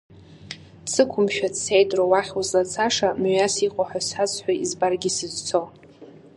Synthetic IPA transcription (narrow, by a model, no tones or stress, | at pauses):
t͡sʰɨkʷʰʊmʃᶣadsejtʼrowaχʲozlat͡sʰaʂamɥasiqʷʼaħʷᶣasat͡sħʷᶣaizbarɡʲisɨzt͡sʰo